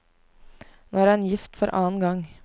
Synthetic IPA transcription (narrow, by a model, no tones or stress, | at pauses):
noːæɾɛːnjɪft̪fɔɾʔɑ̰ːnɡɑŋ